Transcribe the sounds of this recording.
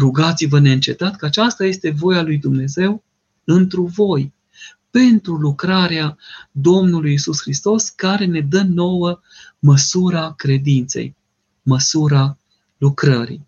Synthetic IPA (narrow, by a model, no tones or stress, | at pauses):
ɾuɡat̪sivəneɨnt͡ʃe̞t̪at̪kəat͡ʃast̪aje̞st̪e̞vo̞jalujd̪umne̞ze̞w | ɨnt̪ɾuvo̞j | pe̞nt̪ɾulukɾaɾead̪o̞mnulujisusxɾist̪o̞skaɾe̞ne̞d̪əno̞wə | məsuɾakɾe̞d̪int̪se̞̰j | məsuɾa | lukɾəɾḭj